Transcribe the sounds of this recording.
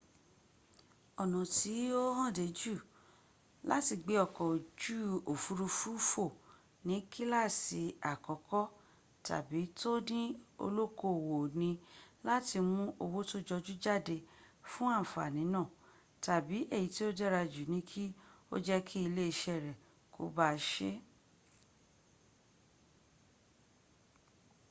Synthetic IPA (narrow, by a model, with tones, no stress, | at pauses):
ɔ˨nɔ̃˨ti˨˦o˦hã˦˨de˨˦d͡ʒu˦˨ | la̰˦ti˧ɡ͡be˧˦ɔ˨kɔ̃˨d͡ʒu˦o˨fu˨˧ɾu˧fu˦fo˦˨ | nĩ˨˦kʰi˦la˦˨si˧a˨kɔ˨˦kɔ˦ | ta̰˨bi˨˦to˦nĩ˦o̰˧lo˦ko˦˨wo˨nĩ˧la˦ti˧mũ˦ʔo˧wo˦to˦d͡ʒɔ˧d͡ʒu˦d͡ʒa˦˨de˧fũ˦ã˦˨fa̰˨nĩ˨˦nã˦˨ | ta˨bi˨˦ʔe˦˨ji˨˦ti˦o˦dɛ˦ɾa˧d͡ʒu˨nĩ˨˦kʰi˦o̰˦d͡ʒɛ˦kʰi˦i˧le˦i˧ʃɛ˦˨ɾɛ˨ | kʰo̰˧˦ba˦ʃe˦